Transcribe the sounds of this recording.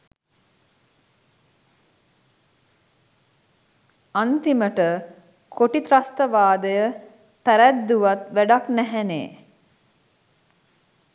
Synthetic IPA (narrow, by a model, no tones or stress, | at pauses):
ant̪iməʈə | kʰoʈit̪ɾast̪əʋaːd̪əjə | pæɾæd̪ːuʋat̪ʋæɖaknæɦɛnḛː